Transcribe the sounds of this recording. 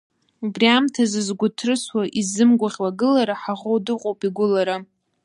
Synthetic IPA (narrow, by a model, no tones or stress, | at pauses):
ubriamtʰazɨzɡʷʊtʰrɨswaʔizɨmɡʷaʁʲwaɡɨlaɾaħaʁowdɨqʼowpʼiɡʷʊlaɾa